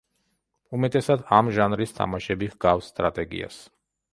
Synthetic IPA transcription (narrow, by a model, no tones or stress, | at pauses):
umɛt̪ʼɛsad̪amʒanɾist̪ʰa̰maʃɛbiɣɡafsːt̪ʼɾat̪ʼɛɡḭa̰s